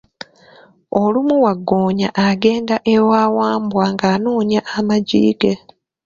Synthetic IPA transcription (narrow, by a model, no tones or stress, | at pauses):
olumuwaɡːoːɲaʔaɡe̞ːndaʔewaːwaːmbwaŋɡaːnuːɲjaʔːmaɟḭːɡe